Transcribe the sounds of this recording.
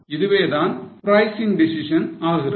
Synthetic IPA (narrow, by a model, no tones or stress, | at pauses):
ɪðɯʋeːðaːnpɾɐjsɪŋɖɪsɪʂɐnaːɣɪrɐ